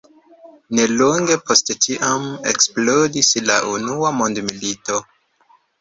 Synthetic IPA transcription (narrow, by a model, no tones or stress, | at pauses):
ne̞loŋɡe̞pʰo̞sttiʔame̞̰ksplo̞disla̰ʔunuamo̞ndmilito̞